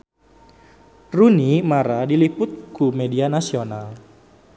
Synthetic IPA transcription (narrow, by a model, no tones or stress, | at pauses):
runimaɾadilipʊt̪̚kumedianasional